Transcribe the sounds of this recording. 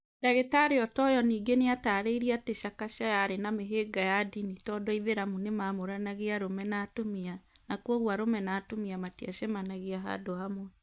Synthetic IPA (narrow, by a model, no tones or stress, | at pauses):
daɣetaɾeɔtɔjɔniːɡeneataːɾeiɾiateʃakaʃajaɾenameɦeɡajadinitɔdɔiðeɾamunemamoɾanaɣeaɾomɛnatomianakwoɣwaɾomɛnaːtomiamatiaʃemanaɣeaɦa̰dohamwɛ